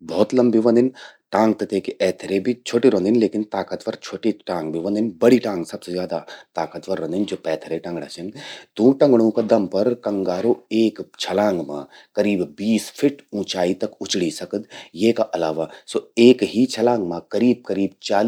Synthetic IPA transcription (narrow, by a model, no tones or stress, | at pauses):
bɔːt̪lɐ̃mbiʋɐ̃nd̪ɪnʈãːŋɡ̚t̪ɐt̪eːkiʔɛːt̪ʰɾebʱit͡ʃʰoːʈiɾõnd̪ɪnleːkɪnt̪aːkət̪ʋɐɾt͡ʃʰoːʈiʈãːŋɡbʱiʋɐ̃nd̪ɪnbɐɽiʈãːŋɡsɐbsezjaːd̪at̪aːkət̪ʋɐɾːɐ̃nd̪ɪnd͡ʒoːpɛːt̪ʰɾeʈɐ̃ŋɡɽ̃aːt͡ʃɐ̃ŋɡt̪ũːʈɐ̃ŋɡɽ̃õkad̪ɐmpɐɾkɐ̃ŋɡaːɾoeːkt͡ʃʰɐlãːŋɡmã̰ː | kɐɾiːbbiːspʰɪʈũːt͡ʃaːit̪ɐkʊt͡ʃɽisɐkəd̪jeːkaʔɐlaːʋasoːeːkɦit͡ʃʰɐlãːŋɡmãkɐɾiːb̚kɐɾiːb̚t͡ʃaːl